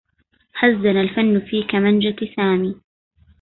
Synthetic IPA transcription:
ħazːanalfanːʊfiːkamand͡ʒasaːmiː

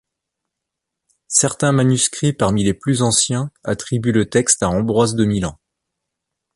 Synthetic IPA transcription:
sɛʁt̪ɛ̃manyskχipaʁmileplyzɑ̃sjɛ̃at̪χibylət̪ɛkst̪aɑ̃bʁwazd̪əmilɑ̃

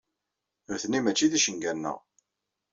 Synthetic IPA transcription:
ɾθnimæt͡ʃːiðiʃəŋɡænːə̰ʁ

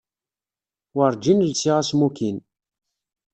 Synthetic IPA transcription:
wəɾˤd͡ʒinlsiʁasmukin

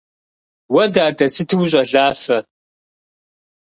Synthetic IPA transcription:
wɐdaːdɐsɨtʰɨwɕ̬ʼɐɮaːfɐ

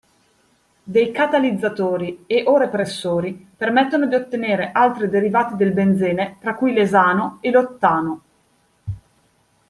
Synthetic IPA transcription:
d̪ejkat̪alid̪zːat̪oːɾieʔoɾepɾesːoːɾipermɛt̪ːonod̪iot̪ːeneːɾeʔalt̪ɾid̪eɾivaːt̪id̪elbend̪zeːnet̪ɾakːujlezaːnoelot̪ːaːno

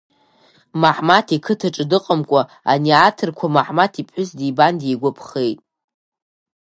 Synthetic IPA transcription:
maħmatʰikʰɨtʰaʈ͡ʂʼdɨqʼəmkʷʼa | a̰niatʰɨrkʷʰamaħmatʰipʰħʊsdibandejɡʷapʰχejtʼ

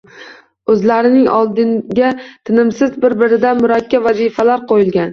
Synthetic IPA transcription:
ɵzlaɾɪnɪŋɒ̰lˠd̪ɪɡʲat̪ʰɪnɪmsɪzbɪɾbɪɾɪd̪amʊɾakʲːavazifalaɾqʰojɪlˠɡʲan

